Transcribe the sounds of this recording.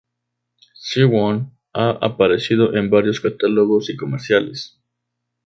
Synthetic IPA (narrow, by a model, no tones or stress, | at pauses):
siwon | aa̰paɾesið̞oʔembaɾjoskat̪aloɣosikomeɾsjalḛs